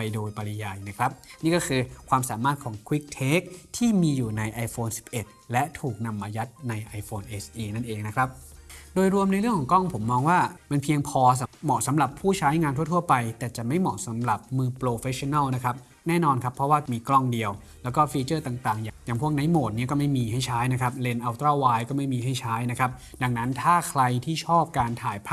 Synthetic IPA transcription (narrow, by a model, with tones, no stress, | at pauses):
pa˧jdoː˧jpa˧li˧jaː˧jna˦˥kʰɾa˦˥p̚niː˥˩kɔː˥˩kʰɯː˧kʰwaː˧msaː˩˦maː˥˩t̪̚kʰɔː˩˦ŋkʰwi˦˥k̚t̪ʰeː˦˥k̚t̪ʰiː˥˩miː˧juː˨˩na˧jʔa˧jfoː˧nsi̥˨˩p̚ʔe˨˩t̪̚lɛ˦˥ʔt̪ʰuː˨˩k̚na˧mʔaː˧ja˦˥t̪̚na˧jʔa˧jfoː˧nʔe˦˥sʔiː˧na˥˩nʔeː˨˧ŋna˦˥kʰɾa˦˥p̚doː˧jɾu˧əmna˧jɾɯ˥˩ŋkʰɔː˩˦ŋkɔ˥˩ŋpʰo˩˦mːɔː˧ŋwaː˥˩ma˧npʰi˧əŋpʰɔː˧s̬a˨˦mɔ˨˩sa˩˦mɾa˨˩pʰːuː˥˩t͡ɕʰaː˦˥jŋaː˧nt̪ʰu˥˩ət̪ʰu˥˩əpa˧jt̪ɛː˨˩t͡ɕa˨˩ma˥˩jmɔ̰˨˩sa˩˦mɾa˨˩p̚mɯː˧pɾoː˧fe˦˥sʰi˧na˥˩wna˦˥kʰɾa˦˥p̚ | nɛː˥˩nɔː˧nkʰa˦˥pʰːɾɔ˧˦˥waː˥˩miː˧klɔ˥˩ŋdi˧əw | lɛː˦˥wkɔː˥˩fiː˧t͡ɕɤː˥˩t̪aː˨˩ŋt̪aː˨˩ŋjaː˨jaː˨˩ŋpʰu˥˩ək̚na˨˥jmoː˨˩t̪̚ni˦˥ɐkɔː˥˩ma˥˩jmiː˧ɦa˥˩jt͡ɕʰaː˦˥jna˦˥kʰa˦˥p̚le˧nʔa˧wt̪ɾaː˥˩waː˧jkɔː˥˩ma˥˩jmiː˧ɦa˥˩jt͡ɕʰaː˦˥jna˦˥kʰa˦˥p̚ | da˧ŋna˦˥nt̪ʰaː˥˩kʰɾa˧jt̪ʰiː˥˩t͡ɕʰɔː˥˩p̚kaː˧nt̪ʰaː˨˦jpʰː